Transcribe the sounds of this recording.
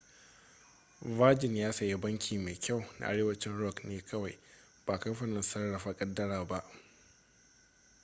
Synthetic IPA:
vaː˦d͡ʒɪ˨njaː˦sɐ˨ja˦bɐ˦ŋkʲʰiː˨meː˨kʲa˦˨wna̰˨ʔa̰˦ɽeː˦wɐ˦t͡ʃɪ˦nɽɔ˦˨kneː˦kʰɐ˦wa˨j | b̥aː˨kɐ˦mɸɐ˨nɪ˨nsɐ˦rːɐ˨ɸaː˦kʼɐ˦dːɐ˦ɽaː˨ba˦ʔ

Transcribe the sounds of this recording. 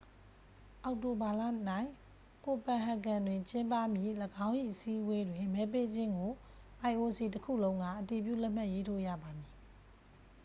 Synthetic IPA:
ʔa˨ʊʔto˨ba˨la̰˦˨na˦˨ɪ̃ | ko˨pã˨ɦa˨kã˨ndwɪ̃˨ɲt͡ɕɪ̃˦mpa˦˨mjḭ˦˨ləɡã˦ʊ̃ʔḭ˦˨ʔəsḭ˦ʔwe˦dwɪ̃˨mɛ˨˦p̬e˦d͡ʑɪ̃˦ŋɡo˨ | ʔa˨ɪ̃ʔo˨si˨təkʰṵ˦˨lõ˦ʊ̃ŋɡä̰˦˨ʔəti˨p̬jṵ˦˨lɛ˦ʔm̥a˦ʔje˦tʰo̰˦˨ja̰˦˨ba˨mji˨

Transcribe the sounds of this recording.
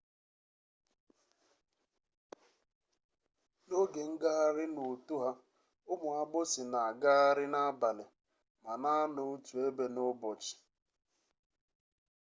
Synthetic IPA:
no˦ɡe˨ŋ̩˦ɡa˦a˦ɾɪ˦nʊ˨tu˦ɦa˦ | ʊ˦mʊ˨a˦ɡ͡bʊ˦sɪ˨na˨ɡa˦a˦ɾɪ˦na˦ba˨lɪ˨ | ma˨na˦a˦nʊ˨˦tu˨e˦be˨nʊ˦bɔ˨t͡ʃɪ̥˨

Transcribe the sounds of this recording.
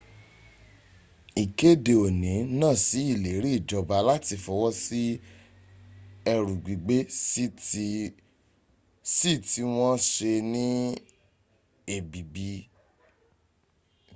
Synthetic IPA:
i˨ke˦de˨o˨nĩ˨˦nãː˦˨si˨˦i˦˨le˨˦ɾi˦i˦˨d͡ʒɔ˨ba˧la˦ti˧fɔ˧wɔ˦si˦ | ɛ˧ɾũ˨ɡ͡bi˨ɡ͡be˦ | si˦˨ti˧˦w̃ɔ̃˦ʃe˧nĩ˦ | e˦˨bi˨bi˧˦

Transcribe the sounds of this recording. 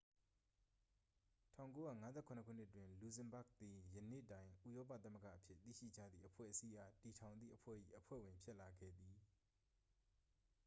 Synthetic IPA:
tʰã˦˨ʊ̃ko˦ja̰˦˨ŋa˦zɛ̰˦˨kʰʊ̃˨nəkʰṵ˦˨n̥ɪ˦ʔtwɪ̃˨lu˨zɛ̃˨mba˦˨k̚t̪i˨jə˨nḛ˦˨tã˨ɪ̃ʔu˦˨jɔ˦p̬ä̰˦˨t̪a˦mə˦ɡa̰˦˨ʔəpʰjɪ˦˨t̪ḭ˦˨ʃḭ˦˨d͡ʑä̰˦˨d̪ðḭ˦˨ʔəpʰwɛ̰˦˨ʔəsi˦ʔa˨ti˨tʰã˨ʊ̃nd̪ðḭ˦˨ʔəpʰwɛ̰˦˨ʔḭ˦˨ʔəpʰwɛ̰˦˨wɪ̃˨mpʰjɪ˦ʔla˨ɡɛ̰˦˨d̪i˨

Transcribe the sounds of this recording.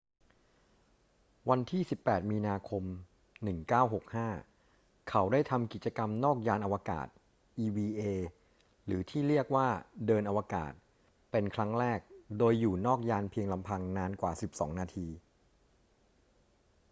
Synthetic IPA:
wa˧nt̪ʰiː˥˩si˨˩pːɛː˨˩t̪̚miː˧naː˧kʰo˧m | nɯ˨˩ŋkaː˥˩wɦo˨˩k̚haː˥˩ | kʰa˩˦wdaː˥˩jt̪ʰa˧mki˨˩t̪̚t͡ɕa˧ka˧mnɔː˥˩k̚jaː˧nʔa˧waː˧ka̰ː˨˩t̪̚ | ʔiː˧wiː˧ʔeː˧ | ɾɯː˩˦t̪ʰiː˥˩ɾi˥˩ək̚waː˥˩dɤː˧nʔa˧waː˧ka̰ː˨˩t̪̚ | pe˧nkʰɾa˦˥ŋɾɛː˥˩k̚doː˧jːuː˨˩nɔː˥˩k̚jaː˧npʰi˧əŋla˧mpʰa˧ŋnaː˦˧nkwa̰ː˨˩si˨˩p̚sɔ̰ː˩˦ŋnaː˧t̪ʰiː˧

